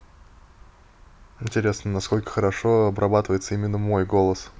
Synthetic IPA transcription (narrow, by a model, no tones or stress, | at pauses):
ɪnʲtʲɪɾʲe̞snənɐsko̞lʲkə̥xəɾɐʂo̞ɐbɾɐbat̪əvəjɪt̪səimʲɪnːəmo̞jɡo̞lˠəs